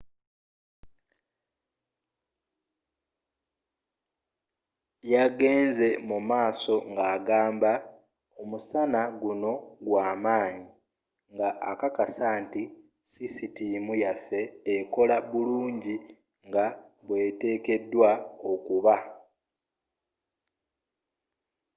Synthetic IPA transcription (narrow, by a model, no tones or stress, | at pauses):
jaɡe̞ːnze̞mumaːso̞ŋɡaːɡaːmba | omusanaɡuno̞ɡwaːmaːɲi | ŋɡaʔakakasaːnti | sisitimujafe̞ːko̞laβuluːɲɟi | ŋɡaβwe̞ːte̞ːke̞dːwao̞kuβa